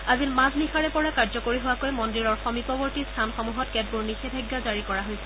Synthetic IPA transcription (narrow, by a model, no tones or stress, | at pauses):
azinmãznixaɹɛpɔɹakaɹzɔkoɹiɦowakojmɔndiɹɔɹxɔmipɔbɔɹtistʰanxɔmuɦɔtkɛd̚buɹnixɛbʱaɡːazaɹikɔɹaɦojsɛ